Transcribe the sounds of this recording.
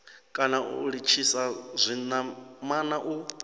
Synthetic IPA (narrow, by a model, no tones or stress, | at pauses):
kʼanaṵɺit͡ʃʰisazʷinamanaʔu